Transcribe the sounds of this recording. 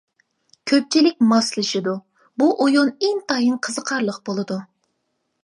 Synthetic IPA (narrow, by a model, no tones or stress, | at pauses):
kʲʰøp̚t͡ʃʰilɪk̚ʲmɑslˠɨʃɪd̪u | buʔojoneŋt̪ʰɑjɨnqʰəzəqʰɑɾlˠəqbolˠɨd̪u